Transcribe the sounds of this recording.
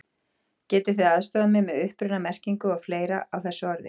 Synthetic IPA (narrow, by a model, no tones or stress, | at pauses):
cɛːt̪ɪɾ̥θeðaðst̪ɔamɪmɛðʏhpɾʏnamɛr̥ciŋkʏɔfleːjɾaawθɛsːʏaɾðɪ̰